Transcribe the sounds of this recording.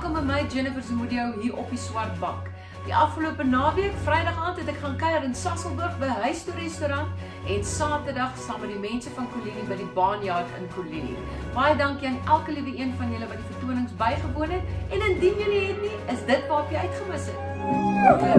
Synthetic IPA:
koməməjd͡ʒenəfərsəmudiəwɦiːɾʔɔpiswɐrt̚bɐk | diʔɐfχəluəpənɑːviərkfrɛjdɐχɑːntɦɛtɛkχɑːnkɛjɐɾənsɑsəlˠbərχbəɦœɥstuəɾɛstuɾɐnt | ɛnsɑːtərdɐχsɑːmət̚dimɛnsəfɐnkolinibədibɑːnjɑːrtə̰nkolinḭ | b̥ɑjədɐŋkiɐnælˠkəlivəiənfɐnjələvɐt̚difərtuənəŋsbɐjχəbuənɦɛt̚ɛnəndinjəliɦɛtniəsdət̚pɑːpiœɥtχəməsɛt

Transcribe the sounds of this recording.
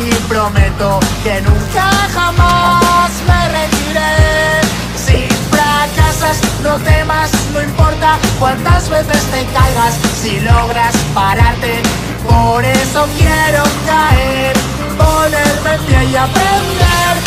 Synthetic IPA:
ipɾo̞met̪o̞ke̞nũŋkaxamazmere̞t̪iɾe | siɱfɾakasasnot̪e̞masnoimpo̞ɾt̪akwant̪azβe̞θe̞st̪e̞kalɣasːilo̞ɣ̞ɾaspaɾaɾt̪e̞ | po̞ɾe̞so̞kjeɾoŋkaeɾ | poneɾmeθjajapɾend̪eɾ

